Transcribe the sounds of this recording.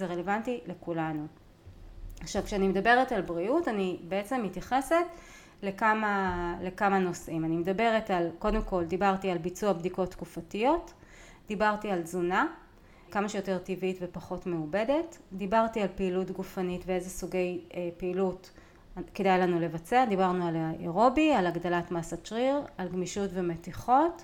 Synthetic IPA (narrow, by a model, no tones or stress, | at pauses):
zeʁelevantilekulanu | aχʃavkʃeanimedabe̞ʁetalbʁiutanibeet͡se̞mhitjaχe̞set | lekamale̞kamano̞simanimedabe̞ʁetalko̞de̞mko̞ldibaʁtialbit͡suabdiko̞tːkufatijo̞t | d̥ibaʁtialzuna | kamaʃejoteʁtivitvepaχo̞tmeube̞de̞td̪ibaʁtialpeilutɡufanitveezesuɡe̞jpeːlut | kedajlanule̞vat͡sead̪ibaʁnualeʁo̞bialaɡd̪alatmasat͡ʃʁiʁalɡmiʃutve̞metiχo̞t